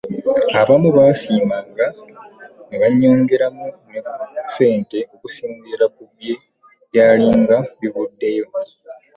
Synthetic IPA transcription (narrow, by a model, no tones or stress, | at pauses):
aβamuβaːsiːmaːŋɡa | neβaɲːoːŋɡeɾamunese̞ːnte̞okusiːɲziɾakuβje̞ | jaːliːŋɡaβiβudːejo̞